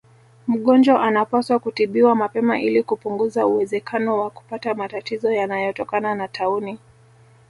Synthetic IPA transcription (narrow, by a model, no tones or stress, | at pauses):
m̩ɠɔnd͡ʒwaʔanapaswakutiɓiwamapɛmaʔilikupuŋɡuzauwɛzɛkʰanɔwaku̥patamatatizɔjanajɔtɔkananatʰauni